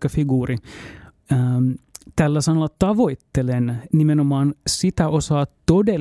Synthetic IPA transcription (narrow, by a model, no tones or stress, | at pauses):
kɑfiɡuːri | əːmt̪ælːæsɑnolːɑt̪ɑʋo̞it̪ːelennimenomɑːnsit̪æʔosɑːt̪t̪ode